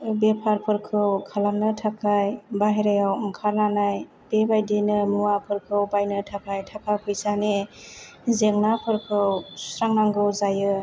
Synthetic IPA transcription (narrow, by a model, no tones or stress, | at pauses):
bepʰaɾpʰɯɾkʰɯwkʰalamnɯtʰakʰajbaɦeɾajawŋkʰaɾnanaj | b̥ebajdinɯmuwapʰɯɾkʰɯwbajnɯtʰakʰajtʰakʰakʰɯjsane | zeŋnapʰɯɾkʰɯwssɾaŋnaŋɡɯwzajɯ